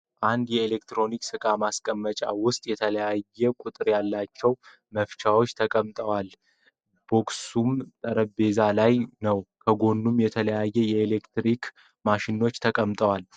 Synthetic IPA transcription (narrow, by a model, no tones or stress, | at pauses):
ʔand̪jɛelekt̪ɾo̞niksɨkʼamaskʼəmːət͡ʃʼawʊst̪ʼjɛt̪ʰələjajːɛkʼut̪ʼɨɾjalːat͡ʃːɛw | məft͡ʃawo̞t͡ʃːt̪ʰəkʼəmt̪ʼəwal | b̥o̞ksumt̪ʼəɾəbe̞zalajnəwkʰəɡo̞nːumjɛt̪ʰələjajːɛjɛelekt̪ɾik | maʃɪno̞t͡ʃːt̪ʰəkʼəmt̪ʼəwal